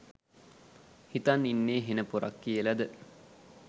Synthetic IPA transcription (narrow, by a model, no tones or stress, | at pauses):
hit̪aninːeːɦenəpuɾa̰kːijəlad̪ə